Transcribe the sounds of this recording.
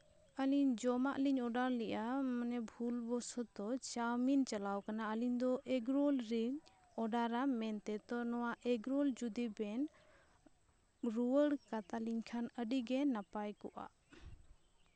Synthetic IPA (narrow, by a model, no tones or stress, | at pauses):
əliɲd͡ʒɔmaʔliɲɔɖaɾlɛʔamənɛbʱulbɔsɔt̪ɔt͡ʃamint͡ʃalawkanaəliɲd̪ɔʔɛɡɾɔlɾiɲ | ɔɖaɾamɛnt̪ɛt̪ɔnɔwaʔɛɡɾɔld͡ʒud̪ibɛn | ɾuwəɽkat̪aliɲkʰanəɖiɡɛnapajkɔʔa̰ʔ